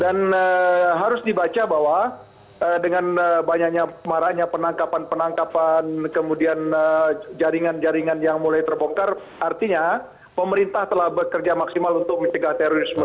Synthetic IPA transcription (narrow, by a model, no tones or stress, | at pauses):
danəɦaɾʊsdibat͡ʃabaɦwa | ədəŋanəbaɲak̚ɲamaɾaʔɲapənaŋkapanpənaŋkapankəmudianəd͡ʒaɾiŋand͡ʒaɾiŋanjaŋmulajt̪ərboŋkar | ʔart̪iɲa | pəməɾint̪aht̪əlahbəkərd͡ʒamaksimalunt̪ʊk̚məɲt͡ʃəɡaht̪eɾoɾismə